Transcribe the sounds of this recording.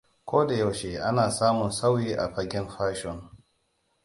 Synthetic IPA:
kʷoː˦da˨ja˨wʃe˨ʔa˦naː˨saː˦mʊ˨nsa˦wiː˦ʔa̰˨ɸa˦ɡʲɛ˦nɸaː˦ʃɔ˨n

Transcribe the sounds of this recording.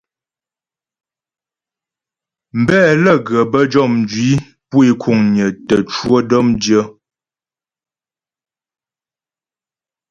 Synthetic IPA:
m̩˨bɛː˦˨lə˦˨ɡə˨bə˦d͡ʒɔ˦˨mn˨d͡ʒɥi˨˦ | pu˦i˦kʰu˦˨ŋɲə˨tə˨t͡ʃwo˦dɔ˦mdjə˦

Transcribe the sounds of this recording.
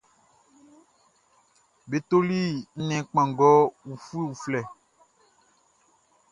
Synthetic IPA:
be˨t̪o˦li˦n̩˦nɛ̃˨k͡pã˨ɡɔ˦wu˨fu˦i˦wu˨flɛ˨

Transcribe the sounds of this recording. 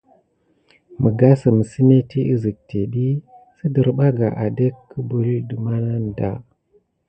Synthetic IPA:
mə˨ɡa˦sə˨mə˨si˦ne˦ti˦i˦zi˨k̚te˨ɗi˦ | sə˦də˨ɾɓa˦ɡa˨ʔa˨de˦kːə˦bu˨li˦də˨ma˦na˦n˨da̰˦

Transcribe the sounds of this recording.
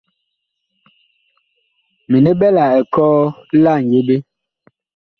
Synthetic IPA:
mi˨ne˦bɛ˦la˨ɛ˨kɔː˦la˦˨ŋ̩˨je˦be˦

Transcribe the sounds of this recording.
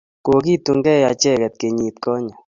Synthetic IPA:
ko˨ki˦˨tu˨ŋɡɛ˦˨ja˨t͡ʃɛ˦˨kɛ˨t̪̚ke˨ɲi˨t̚kɔ˦ɲɔ˨

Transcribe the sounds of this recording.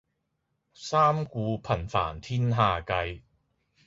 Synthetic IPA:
saː˥mkuː˨˧pʰɐ˨˩nfa̰ː˨˩nt̪ʰiː˥nɦaː˧kɐ˧j

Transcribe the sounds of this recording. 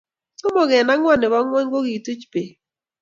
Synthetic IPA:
sʊ˦mɔ˨ɡɛ˨na˦ŋwa˦˨nɪ˨ba˦ŋwɔ˦ɲ˦ɡo˦ɡi˨tu˦t͡ʃpe˨

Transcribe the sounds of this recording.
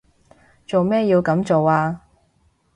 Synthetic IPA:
t͡so˨wmɛː˥jiː˧wkɐ˨˥mt͡so˨waː˧

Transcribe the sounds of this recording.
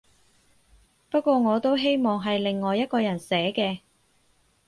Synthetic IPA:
pɐ˥t̚kʷɔː˧ŋɔː˨˧t̪o˥wɦe˥jmɔː˨ŋɦɐ˨jlɪ˨ŋːɔː˨jɐ˥t̚kɔː˧jɐ˨˩nsɛː˨˥kɛː˧

